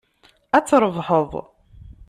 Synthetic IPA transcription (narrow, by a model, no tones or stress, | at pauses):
æt͡sːɾˤəvħəðˤ